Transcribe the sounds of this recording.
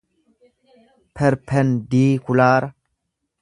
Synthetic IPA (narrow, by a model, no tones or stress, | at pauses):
pʰəɾpʰɛndiːkulaːɾ